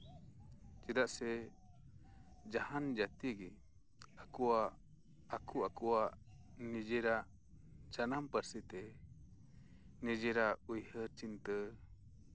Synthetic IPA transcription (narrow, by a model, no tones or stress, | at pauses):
t͡ʃid̪aʔsɛ | d͡ʒahand͡ʒat̪iɡi | akua | akʰuakuwaʔ | nid͡ʒɛɾaʔ | d͡ʒanampəɾsit̪ɛ | nɛd͡ʒɛɾaujhəɾt͡ʃint̪ə